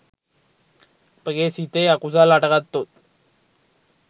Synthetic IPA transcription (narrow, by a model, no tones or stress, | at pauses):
pəɡesit̪eakuzalaʈɣat̪ːot̪̚